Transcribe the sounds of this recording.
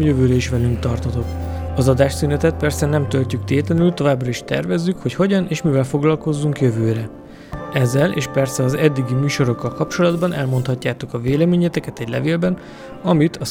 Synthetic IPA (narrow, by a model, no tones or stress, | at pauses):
jøvøːɾɛiʃʋɛlyŋkt̪ɒrt̪ɒt̪o̞kɒzɒd̪aːʃsynɛt̪ɛt̪̚pɛrsɛnɛmt̪ølcykt̪eːt̪lɛnylt̪o̞vaːbrɒiʃt̪ɛ̰rvɛzːykho̞cho̞ɟɒneːʃmivɛlfo̞ɡlɒlko̞zːuŋkjøvøːɾɛ | ɛzːɛlḛːʃpɛrsɛɒzɛd̪ːiɡimyːʃo̞ɾo̞kːɒlkɒpt͡ʃo̞lɒd̪bɒnʔɛlmo̞nt̪hɒcːaːt̪okɒveːlɛmeːɲɛt̪ɛkɛt̪ɛɟʲlɛ̰veːlbɛn | ɒmit̪ʰɒ